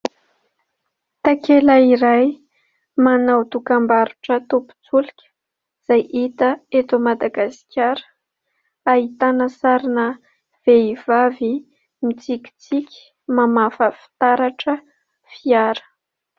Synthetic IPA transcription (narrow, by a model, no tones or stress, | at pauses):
t̪akelaiɾaj | manawt̪ukambaɾuʈ͡ʂət̪upu̥t͡sulikʲə̥ | z̥ajʔit̪əet̪umad̪aɡasi̥kʰʲaɾə̥ | aɦit̪anəsaɾinə | v̥eiv̥avi | mit͡sikʲi̥t͡sikʲi̥ | mamafəfi̥t̪aɾaʈ͡ʂə | fiaɾə̥